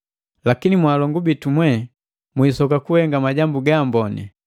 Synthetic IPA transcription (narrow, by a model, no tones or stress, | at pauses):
lakinimwaːlɔŋɡubitumwɛ | mwiːsɔkakuhɛŋɡamaɟambuɡambɔnɛ̰